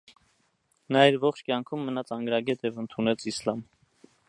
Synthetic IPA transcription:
nɑiɾvɔχt͡ʃʰkjɑŋkʰumːənɑt͡sʰɑŋɡɾɑɡɛt̪jɛvənt̪ʰunɛt͡sʰislɑm

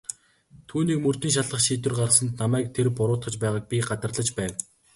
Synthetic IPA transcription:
t̪ʰuːniːkmɵr̥t̪iːŋʃ̬aɮə̆χʃiːt̪wɘ̆rɢar̆sə̆nt̪namæːk̚t̪ʰerpʊɾʊːt̪χə̆t͡ɕpæːʁaːk̚pʲiɢat̪ə̆rɮə̆t͡ɕpæːw

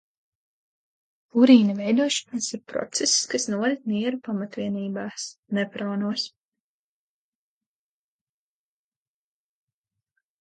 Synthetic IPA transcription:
puɾiːnɐvɛjd̪uɔʃɔ̥nasiɾpɾɔ̰t̪sɛsskasnuɔɾit̪mʲiɛɾupamat̪vʲiɛniːbaːsnɛpɾoːnuɔs

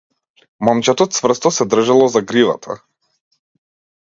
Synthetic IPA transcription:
mɔmt͡ʃɛt̪ɔt̪svr̩st̪ɔsɛd̪r̩ʒalˠɔzaɡɾiva̰t̪ʰa̰

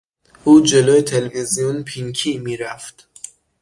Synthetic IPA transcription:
ʔuːd͡ʒe̞loːjet̪ʰelevezijunpʰiŋkʰiːmiːɾæft̪

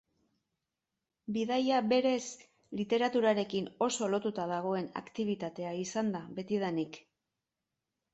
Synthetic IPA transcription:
biðajaβe̞ɾe̞s | lit̪e̞ɾat̪uɾaɾe̞kino̞so̞lo̞t̪ut̪að̞aɣ̞o̞e̞na̰kt̪iβ̞it̪at̪e̞aisand̪aβe̞t̪ið̞anik

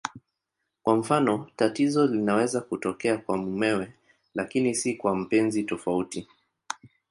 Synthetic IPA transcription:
kwam̩fanɔtatizɔlinawɛzakutɔkɛakwamumɛwɛ | lakinisikwam̩pɛnzitɔfauti

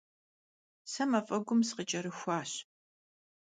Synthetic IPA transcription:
sɐmɐfʼɐɡʷʊmsqət͡ʃʼɐɾɨxʷɑːɕ

